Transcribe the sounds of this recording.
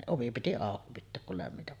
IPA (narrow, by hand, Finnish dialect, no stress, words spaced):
oʋi piti ɑˑoki pitːeːk kul læmːitæp